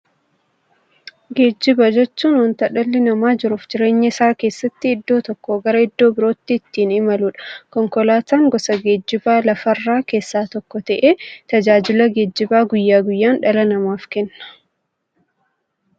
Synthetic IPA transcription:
ɡe̞ːd͡ʒːɪbɐd͡ʒɛt͡ʃːuːnwɐnt̪ɐᶑɐlːɪnɐmaːd͡ʒɪɾuːfd͡ʒɪɾe̞ːɲːɐɪsaːke̞ːsːɐt̪ːɪːd̪ːo̞ːt̪ɔkːɔɡɐɾɐɪd̪ːo̞ːbɪɾo̞ːt̪ːɪːt̪ːiːnɪmɐluːᶑɐ̥kɔŋkɔlaːt̪aːŋɡɔsɐɡe̞ːd͡ʒːɪbaːlɐfɐrːaːke̞ːsːaːt̪ɔkːɔt̪ɐʔeːt̪ɐd͡ʒaːd͡ʒɪlɐɡe̞ːd͡ʒːɪbaːɡʊjːaːɡʊjːaːnᶑɐlɐnɐmaːfkɛnːɐ̥

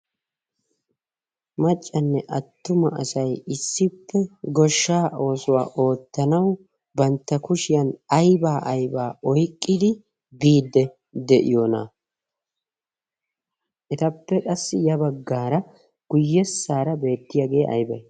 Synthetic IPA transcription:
mɐt͡ʃʼːɐnːɛʔɐt̪ːʊmɐʔɐsɐjɪsːɪpːɛɡɔʃːaːʔo̞ːsʊwa̰ːʔo̞ːt̪ːɐnɐw | bɐnt̪ːɐkʊʃɪjɐnɐjbaːʔɐjbaːʔɔjkʼːɪd̪ɪ | biːd̪ːɛ | d̪ɛʔɪ̰joːna̰ː | ʔɛt̪ɐpːɛkʼɐsːɪjɐbɐɡːaːɾɐ | ɡ̥ʊjːɛsːaːɾɐbe̞ːt̪ːɪjaɡeːʔɐ̰jbɐj

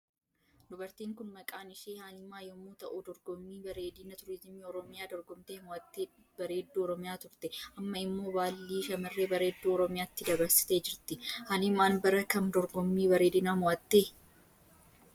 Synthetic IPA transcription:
d̪ʊbɐɾt̪iːŋkʊnmɐkʼaːnɪʃeːhaːlɪmːaːjɔmːuːt̪ɐʔuːd̪ɔɾɡɔmːiːbɐɾeːd̪iːnɐt̪ʊɾɪzɪmiːɔɾɔmɪjaːd̪ɔɾɡɔmt̪eːmɔɐt̪ːe | bɐɾe̞ːd̪ːuːɔɾɔmɪjaːt̪ʊɾt̪ɛʔɐmːɐɪmːo̞ːbaːlːiːʃɐmɐrːeːbɐɾe̞ːd̪ːuːɔɾɔmɪjaːɪt̪ːɪd̪ɐbɐɾsɪ̥t̪e̞ːd͡ʒɪɾt̪ɪhaːlɪmaːnbɐɾɐkɐnd̪ɔɾɡɔmːiːbɐɾeːd̪ɪnaːmɔɐt̪ːeː

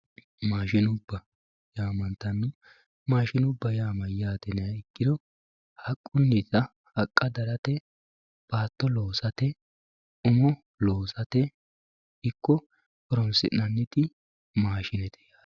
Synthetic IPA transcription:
maːʃɪnʊbːɐ | jaːmɐnt̪ːɐnːʊ | maːʃɪnʊbːɐjaːmɐjaːt̪ɛnɛɐɪkːɪd̪ɔ | hɐkʼːʊnːit̪ɐ | hɐkʼːɐd̪ɐɾɐt̪ɛ | b̥aːt̪ːɔlo̞ːsɐt̪ɛ | ʊmɔ | loːsɐt̪ɛ | ɪkːɔ | kɔɾɔnsɪ̰nɐnːɪt̪ɪ | maːʃɪnɛt̪ɛ̥jaː

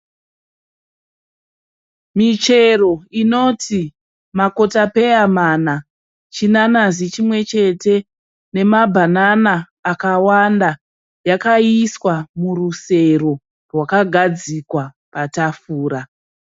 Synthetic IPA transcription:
mit͡ʃe̞ro̞ino̞tʰi | mako̞tape̞jamana | t͡ʃinanazit͡ʃimwe̞t͡ʃe̞te̞ | ne̞mabʱananaː | kawanda | jakaiswamuruse̞ro | rwakaɡʱad͡zikwa | patafuːɾa

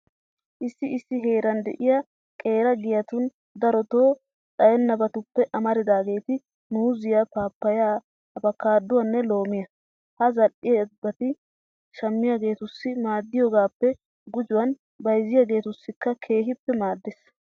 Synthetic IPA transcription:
ʔɪsːɪɪsːɪɦe̞ːɾɐnd̪ɛ̰ʔɪjɐ | kʼe̞ːɾɐɡɪjɐt̪ʊn | d̪ɐɾɔt̪o̞ː | t͡sʼɐjɛnːɐbɐt̪ʊpːɛʔɐmɐɾɪd̪aːɡe̞ːt̪ɪ | nuːzɪjapaːpːɐjaː | bɐkaːd̪ːʊwɐnːɛlo̞ːmɪjɐ | hɐzɐlʔɪjbːɐt̪ɪ | ʃɐmːɪjaɡe̞ːt̪ʊsːɪmaːd̪ːɪjɔɡaːpːɛ | ɡʊd͡ʒʊwɐn | bɐjzɪjaɡe̞ːt̪ʊsːɪkːɐkʰe̞ːɦɪpːɛmaːd̪ːɛs

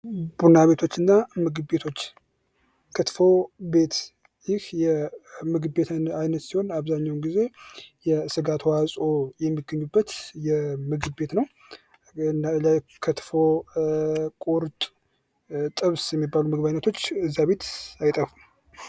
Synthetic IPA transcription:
b̥unaβe̞t̪ʰo̞t͡ʃːɨnːamɨɡɨbbe̞t̪ʰo̞t͡ʃː | kʰət̪fo̞be̞t̪ | jɪhjɛmɨɡɨbbe̞t̪ajnət̪siho̞naβzaɲːawnɡize̞jɛsɨɡat̪ʰwasʼo̞jɛmːiɡːəɲːubːət̪jɛmɨɡɨbbe̞t̪nəw | nlakʰət̪fo̞ | kʼoɾt̪ʼ | t̪ʼɨβsjɛmːibːalumɨɡbajnːət̪ʰo̞t͡ʃːɨzːaβe̞t̪ajt̪ʼəfum

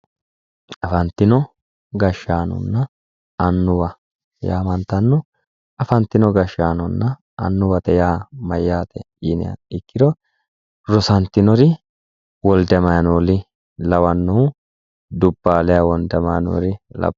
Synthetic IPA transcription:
ɐfɐnt̪ːɪnɔ | ɡɐʃːaːnɔ̰nːɐ | ɐnːʊwɐ | ja̰ːmɐnt̪ɐnːɔ | ɐfɐnt̪ːɪnɔɡɐʃːaːnɔnːɐ | ɐ̰nːʊwɐt̪ɛjaːmɐjːaːt̪ɛ | inɪ̰ɐ̰ɪkːɪd̪ɔ | ɾɔsɐnt̪ːɪnɔɾɪ | wɔld̪ɛmɐjɐnoːlɪ | lɐwɐnːɔ | d̪ʊbːaːlɛjawɔnd̪ɛmɐɐ̰no̰ːɾɪlɐ̰

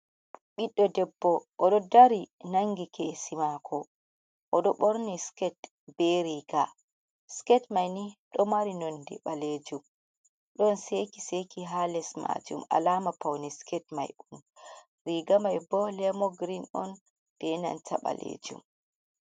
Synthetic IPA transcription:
ɓiɗːɔdɛbːɔʔːɗɔdaɾinaŋɡikesimakʰɔ | ʔɔɗɔɓɔɾniskɛt | bɛɾiːɡ̥a | skɛtmajniɗɔmaɾinondḭɓaled͡ʒum | ɗɔnsekisekiɦalɛsma̰d͡ʒṵma̰laːmapawniskɛtma̰jun | ɾiɡamajbɔlɛmɔɡɾinɔn | b̥ɛna̰ntʰaɓa̰lḛd͡ʒṵm

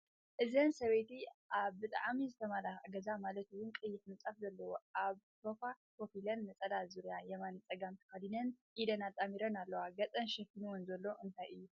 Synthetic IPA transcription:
ʔɨzɐnsɐβejt̪iʔaβbɨt̪ʼa̰ʕmizɨt̪ʰɐmalaɡɐzamalɐt̪ɨwʊnkʼɨjːɪħmɨt͡sʼafzɐlːɐwoʔaβ | sofa | po̞filɐnmɐt͡sʼɐlazuɾjajɛmanɨt͡sʼɐɡamt̪ʰɨ̥xad̪inɐnʔid̪ɐnat̪ʼːamiɾɐnalːɐwaɡɐt͡sʼɐnʃɛkːinuwɔnzɐlːo̞ʔɨnt̪ʰajɨjːu

